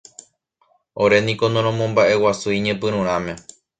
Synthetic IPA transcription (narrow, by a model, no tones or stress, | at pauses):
o̞ɾe̞nĩkonõɾ̃õmõ̞mbaʔe̞wasuiɲẽpɨ̃ɾũɾ̃ãmẽ̞